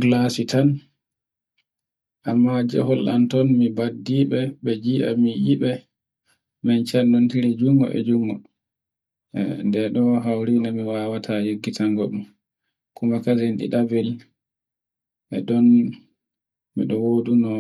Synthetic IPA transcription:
ɡlasitan | ʔamːad͡ʒɛ̰hɔlʔa̰ntɔnmibadːiɓɛɓɛd͡ʒiʔa̰mijiɓɛ | mɛnt͡ʃanːɔntiɾid͡ʒuŋɡɔ̰ʔɛ̰d͡ʒuŋɡɔ | ndɛɗɔɦawɾinamiwawatʰajeɡːitaŋɡɔɗum | kumakazenɗḭɗavɛl | ɛ̰ɗɔn | mḭɗɔwodunɔ

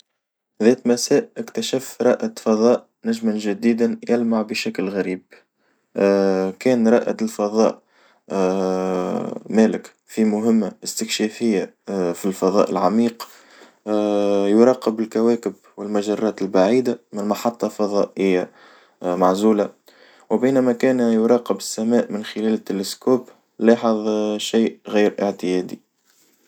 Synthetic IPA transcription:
ðɛːt̪mæsæːʔʔɪkt̪æʃæfɾˤɑʔat̪fɑðˤɑːʔ | næʒmanʒɪd̪iːd̪anjælmaʕbɪʃæklɣæɾiːb̚ | kɛːnɾˤɑʔa̰t̪lfɑðˤɑ̰ːʔ | mæːlɪk | fimʊɦɪmːaɪst̪ɪkʃɛfɪjːafilfɑðˤɑ̰ːʔɪ̰lʕamiːq | jʊɾˤɑːqəbɪlkæwæːkɪb | wɪlmæʒɑrˤːɑːt̪ɪlbaʕiːd̪amɪnmɑħɑt̪ˤːɑlfɑðˤɑːʔɪjːa | maʕzuːla | wɪbiːnæmækæːnjʊɾˤɑːqəbɪsːæmæːʔmɪnxɪlɛːlɪt̪ːɪlɪskuːb | lɑːħəðˤʃiːʔɣiːɾʔəʕt̪ɪjɛːd̪i

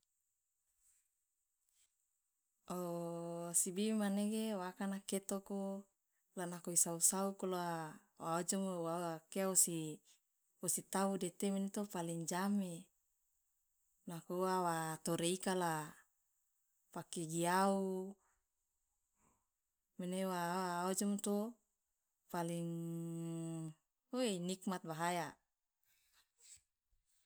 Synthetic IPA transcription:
o | sibimaneɡewakanaket̪oko | lanakoisausaukolaa | waod͡ʒomowaakeaosi | osit̪audet̪eminit̪opaliŋd͡ʒame | nakuwawat̪oɾeikala | pakeɡiau | menewaod͡ʒɔmt̪o | paliŋ | oeinik̚mat̪̚baɦaja

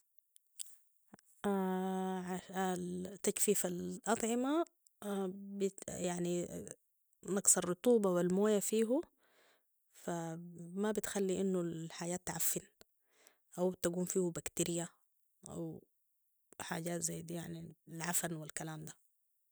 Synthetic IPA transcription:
ʔaʕaat̪ːakfiːfalʔɑt̪ˤʕɪma | bjaʕni | nɑksɑrˤːʊt̪ˤuːbɑwilmoːjafiːɦu | famabit̪xalːiʔɪnːuħaɟaːt̪ːʕafːɪn | ʔawt̪aɡuːmfiːhubakt̪iɾɪja | ʔa̰w | ħa̰ːɟaːt̪zajd̪jaʕnilʕafanwilkalaːmd̪a

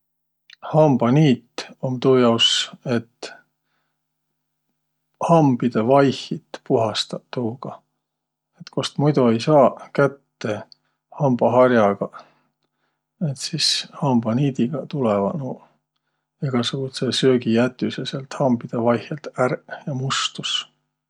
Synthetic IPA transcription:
hɑmb̥ɑniːt̪ːomt̪uːjɑwse̞t̪ | hɑmb̥id̪̥evɑjhit̪puɦɑst̪ɑt̪ːuːɡ̥ɑ | et̪kost̪mujd̪ue̞jsɑːkæt̪ːe̞ | hɑmb̥ɑɦɑrjɑɡ̥ɑ | et̪sishɑmb̥ɑniːd̪iɡ̥ɑt̪ulɛvɑ̰no | eɡ̥ɑsuɡ̥ut̪sesøːɡijæt̪ːˑyseselt̪hɑmbid̪̥evɑjhelt̪ærjɑmust̪us

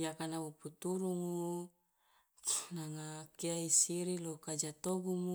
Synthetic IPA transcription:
jakanauput̪uɾuŋu | naŋakiaisiɾilokad͡ʒat̪oɡumu

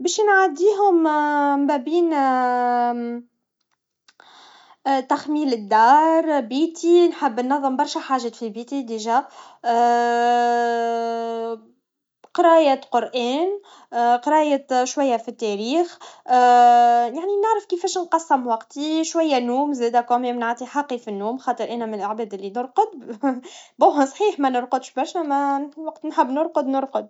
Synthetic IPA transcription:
bɛːʃnʕad̪iːɦʊmmbæːbiːn | t̪axmiːlɪd̪ːɑːɾˤbiːt̪ʰinħəbːənːɑðˤːəmbɑɾˤʃæħaːʒæfibiːt̪id̪iʒæ | qɑɾɑːjæqʊɾʔæːn | qɑɾɑːjæʃwæjːæfit̪ːɛɾiːx | jaʕninəʕɾəfkifɛːʃnqɑsːɪmwɑqt̪iʃwæjːænuːmzɛːd̪ækomɛmnaʕt̪ˤiħɑqːifinːuːmxɑːt̪ˤəɾʔæːnæmɪnɪlʔaʕbɛːd̪ʔɪlːinʊɾqʊd̪̚ | bæwɦæsˤħiːħmænʊɾqʊd̪ʃbɑɾˤʃæmæwɑqt̪nħɪbːnʊɾqʊd̪nʊɾqʊd̪̚

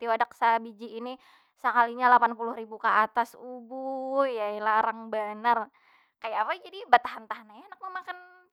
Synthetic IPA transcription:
t̪iwadaksabid͡ʒiːni | səkaliɲalapanpulʊhɾibukaʔat̪asubujailaɾaŋbanər | kajaːpad͡ʒadibat̪aɦant̪aɦnajanak̚məmakan

